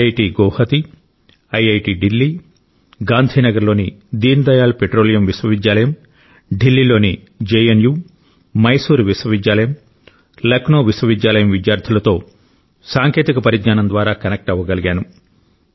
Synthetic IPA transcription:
ɐjʈiːɡɔwhɐt̪i | ɐjɐjʈiːɖilːiː | ɡaːnd̪ʱiːnɐɡɐɾlo̞ːnid̪iːnd̪ɐjaːlpeʈɾoːlijɐmʋiswɐʋid̪jaːlɐjɐm | ɖilːilo̞ːni | d͡ʒeːenjuː | mɐjsuːɾʋiswɐʋid̪jaːlɐjɐm | lɐknoːʋiswɐʋid̪jaːlɐjɐmʋid̪jaːɾt̪ʰiulɐt̪o̞ː | saːŋke̞ːt̪ikɐpɐɾiɡɲaːnɐnd̪ʋaːɾaːkɐnek̚ʈɐʋːɐɡɐliɡaːnu

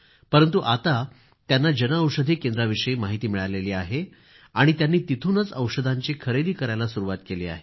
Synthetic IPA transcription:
pəɾənt̪̬uʔat̪a | t̪janːad͡ʑənəəwʂəd̪ʱikend̪ɾaʋiʂəimaɦit̪iːmiɭaleliːaɦe | aɽ̃it̪janːiːt̪it̪ʰunət͡səwʂəd̪ʱaɲt͡ɕikʰəɾed̪ʱiːkəɾajlasuɾuʋat̪keliːa̰ɦe

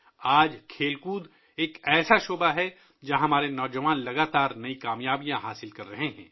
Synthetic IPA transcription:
aːd͡ʒkʰeːlkuːd̪ | eːkɛːsaʃoːbaɦɛ | d͡ʒãːɦɐmaːɾenɔːd͡ʒɐʋaːnlɐɡaːt̪aːɾnɐikaːmjaːbijãɦaːsɪlkɐɾːɐɦeɦɛ̰̃ː

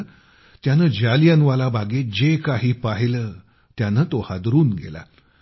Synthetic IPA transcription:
t̪janəːd͡ʑalijanʋalabʱaɡed͡ʑekaɦiːpaɦiləː | t̪janəːt̪ohad̪ɾuːnɡḛla̰

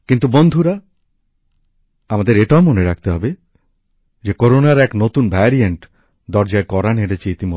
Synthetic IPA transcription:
kint̪ubond̪ʱuɾa | amad̪eɾeʈaomoneɾak̚ʰt̪eɦɔbe | d͡ʑekoɾonaɾɛknot̪unbʱɛɾieɳʈ | d̪ɔɾd͡ʑaekɔɾanɦeɽet͡ɕʰeit̪imo

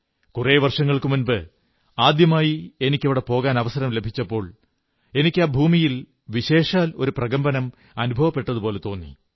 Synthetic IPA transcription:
kureːʋɐrʂɐŋːɐɭkɨmunbɨ | aːd̪jɐmaːjie̞nikʲːeʋiɽe̞po̞ːɣaːnɐʋɐsɐɾɐmle̞bʱit͡ɕːɐpːo̞ːɭ | e̞nikʲːaːbʱuːmijil | ʋiɕe̞ːʂaːlo̞ɾuprɐɣɐmbɐnɐm | ɐnubʱɐʋɐpːe̞ʈːɐðupo̞ːle̞t̪o̞ːnːḭ

